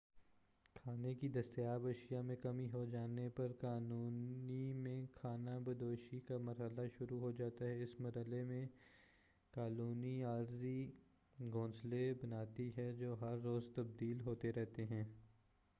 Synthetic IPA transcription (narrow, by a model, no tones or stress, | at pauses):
kʰaːnekid̪ɐst̪ejaːbɐʃijamẽkɐmiɦod͡ʒaːnepɐɾkaːnuːnimẽkʰaːnabɐd̪oːʃikamɐɾɦəlaʃʊɾuɦod͡ʒaːt̪aɦɛɪsmɐɾɦəlemẽ | kaːnuːniaːɾzi | ɡõːnslebɐnaːt̪iɦɛd͡ʒoːɦɐɾːoːzt̪ɐb̚d̪iːlɦoːt̪eɾɛɦt̪eɦɛ̃ː